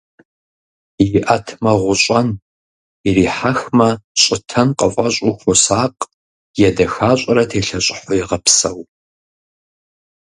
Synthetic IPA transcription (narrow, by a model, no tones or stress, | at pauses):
jɪʔɐtʰmɐʁʷʊɕʼɐn | iriːħaxmɐɕʼɪtʰɐnqʼəfʼɐɕʼʊxʷʊsaːqʼ | jɛdɐxaːɕʷʼɐɾɐtʰeːɬɐɕʼɪħʷɔjɛʁɐpsɐw